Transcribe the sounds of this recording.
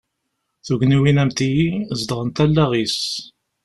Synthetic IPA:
θuʝniwinæmt̪ijizd̪ʁənt̪ælːæʁis

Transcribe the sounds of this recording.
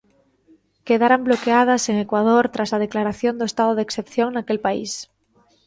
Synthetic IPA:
keðaɾamblokeað̞aseŋekwað̞oɾt̪ɾasað̞eklaɾaθjond̪oest̪að̞oðeksθepθjoŋnakelpaḭs

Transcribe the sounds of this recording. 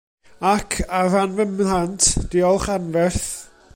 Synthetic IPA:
akʰaranvəmantʰd̥iɔlˠχanvɛrθ

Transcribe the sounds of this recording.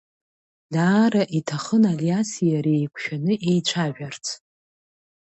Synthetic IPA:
daːɾaʔitʰaχənaliasijaɾe̞jkʷʰʃᶣanɨʔe̞jt͡ʃʷʰaʒᶣart͡sʰ

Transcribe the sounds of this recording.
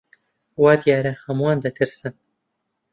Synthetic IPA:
waːd̪ijaːɾɐhɐmuwaːnd̪ɐt̪ʰɨɾsɨn

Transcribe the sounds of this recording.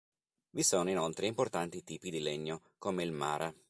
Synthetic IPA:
visoːnoinolt̪ɾeimport̪ant̪it̪iːpid̪ileɲːo | komeilma̰ːɾʔa

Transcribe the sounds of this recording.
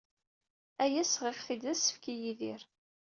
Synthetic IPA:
æjæsʁɪʁθid̪æsːə̥fkijiðiɾ

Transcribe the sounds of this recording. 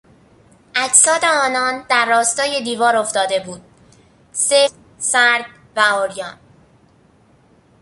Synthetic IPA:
ʔæcsɒːd̪eɒːnɒːnd̪æɾːɒːst̪ɒːje̞d̪iːvɒːɾo̞ft̪ɒːd̪e̞buːd̪̥̚ | se | sæɾd̪̥ | væɒːɾjɒːn

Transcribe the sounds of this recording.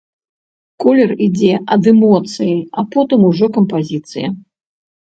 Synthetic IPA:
kɔlʲɛrid͡zʲɛʔɐd̪ɛmɔt̪sɨjiɐpɔt̪ɨmuʐɔkɐmpazʲit̪sɨjɐ

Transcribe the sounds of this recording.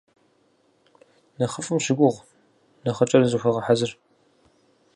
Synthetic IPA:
nɐχəfʼɨmʃɪɡʷʊʁ | nɐχɐt͡ʃʼɐrzɨxʷɐʁɐħazɨr

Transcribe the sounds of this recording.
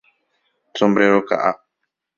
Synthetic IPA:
tɔmbɾeɾoka̰ʔa

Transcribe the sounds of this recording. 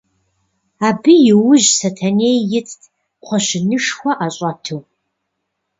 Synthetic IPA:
aːbɨjɪwʊʑsɐtʰɐneːjːɪt͡sʰtʰʼ | qʷʰɔɕɪnɨʂxʷɐʔaɕʼɐtʰɨw

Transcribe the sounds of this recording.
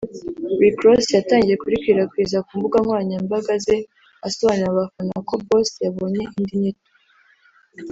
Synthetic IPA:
ɾikɾosjataːɲɟije̞kuɾikiɾakwiːzakuːmbuɡaŋwaːɲambaɡaze̞ | aso̞βaːniɾaβafanako̞bo̞sjaβo̞ːɲe̞ʔindiɲito̥

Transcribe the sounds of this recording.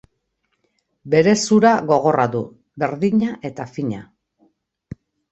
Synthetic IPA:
be̞ɾe̞suɾaɣo̞ɣ̞o̞raðu | βe̞ɾðiɲaʔe̞t̪afiɲa̰

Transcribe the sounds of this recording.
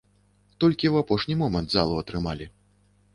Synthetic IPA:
t̪ɔlʲkʲiwapɔʂnʲimɔmɐnt̪za̰lˠuɐt̪ɾɨmalʲi

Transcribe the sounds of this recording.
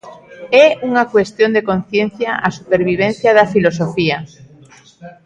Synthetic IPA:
ɛuŋakwest̪jond̪ekõn̟θjẽn̟θjaʔasupeɾβ̞iβ̞ẽn̟θjaðafilosofia

